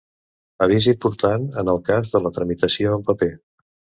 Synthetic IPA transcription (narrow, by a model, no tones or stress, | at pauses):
əβizipuɾt̪anənəlˠkazðələt̪ɾəmit̪əsioəmpəpe